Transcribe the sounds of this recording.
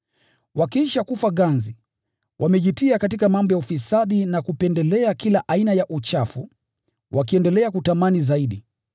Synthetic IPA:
wakiʃakufaɠanzi | wʔamɛʄitiakatikamambɔjaufisaɗinakupɛndɛlɛakilaʔainajaʔut͡ʃafu | wʔakiɛndɛlɛakutamanizaiɗi

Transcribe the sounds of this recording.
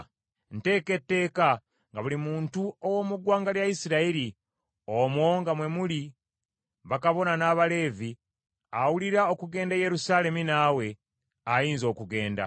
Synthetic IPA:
n̩te̞ːke̞tːe̞ːka | ŋɡaβulimuːntuowo̞muɡwaːŋɡaljaisiɾaiɾi | omoŋɡamwe̞muli | βakaβo̞nanaːβale̞ːvi | awuliɾao̞kuɡe̞ːndaje̞ɾusaːle̞minaːwe̞ | ajiːnzo̞ːkuɡe̞ːnda̰

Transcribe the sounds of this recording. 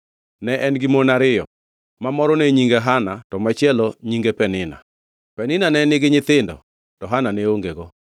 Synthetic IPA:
nɛʔɛnɡimonaɾɪjɔ | mamɔɾɔneɲiŋɡeɦanatɔmat͡ʃɪɛlɔɲiŋɡepɛnɪna̰ | pɛnɪnanɛnɪɡɪɲɪt̪ɪndɔ̰ | tɔɦananɛoŋɡeɡɔ

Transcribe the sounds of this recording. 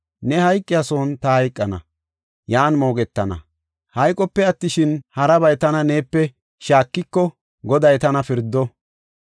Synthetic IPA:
nɛhɐjkʼːɪjɐsoːnt̪ɐhɐjkʼːɐnɐ̰ | jaːnmo̞ːɡɛt̪ːɐnɐ̰ | hɐjkʼɔpːɛɐt̪ːɪʃɪnhɐɾɐbɐjt̪ɐnɐne̞ːpːɛ | ʃaːkːɪkːɔ | ɡɔd̪ɐjt̪ɐnɐfɪɾd̪ːɔ

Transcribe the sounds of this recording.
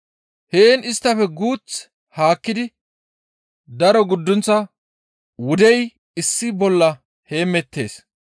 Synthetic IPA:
heːnɪst̪ːɐfɛɡuːt͡s | haːkːɪd̪ɪ | d̪ɐɾɔɡʊd̪ːʊnt͡sːɐ | wʊd̪ɛj | ɪsːɪbɔlːɐ | he̞ːmɛt̪ːe̞̰ːs

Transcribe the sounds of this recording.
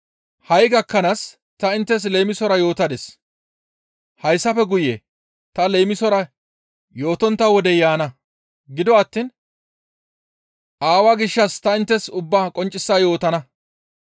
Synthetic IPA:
hɐjɡɐkːɐnas | t̪ɐɪnt̪ːɛs̬le̞ːjmɪsɔɾɐjo̞ːt̪ɐd̪ɛs | hɐjsːɐfɛɡʊje | t̪ɐlejmɪsɔɾɐ | jo̞ːt̪ɔnt̪ːɐwɔd̪ɛjaːnɐ | ɡɪd̪ɔɐt̪ːiːn | ʔaːwaːɡɪʃːɐst̪ɐɪnt̪ːɛsʊbːaːkʼɔnt͡ʃʼːɪsːaːjo̞ːt̪ɐnɐ

